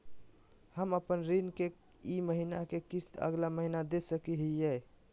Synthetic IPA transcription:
həməpənɾinke | iməɦina̰kekisə̰ɡlaməɦinad̪esəkiɦijɛ

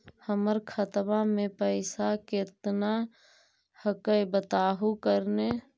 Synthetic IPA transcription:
həməɾkʰət̪mãmẽpəɪsakɪt̪na | həkəjbət̪aːɦukəɾne

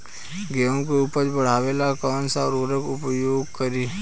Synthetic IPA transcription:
ɡeõkeʊpəɾbəɽ̤aːʋeːlakɔːnsaɾoɾəkʊpjoːɡkəɾiː

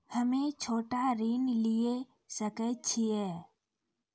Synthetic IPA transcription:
həmẽt͡ʃʰoːʈaɾiːnlɪe | səkət͡ʃʰiɛː

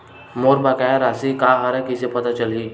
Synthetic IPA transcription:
moːɾbakajaɾaːsikaːɦaɾɛkɪsepɐt̪at͡ʃɐliː

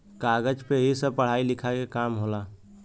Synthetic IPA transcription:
kaɡəd͡ʒpeɦisəb̚pəɽ̤ailikʰakekamɦola

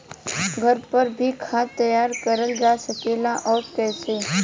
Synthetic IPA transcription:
ɡʱəɾpəɾbʱikʰat̪əjaːɾkəɾəld͡ʒaːsəkeːlaʔɔːɾkɛːse

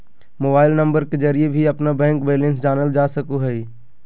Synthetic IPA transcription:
moːbaːɪlnɐ̃mbəɾkezɐɾiebʱiɐpnabɛ̃ːŋkbeːlẽnsd͡ʒaːnəld͡ʒaːsɐkuɦɛi

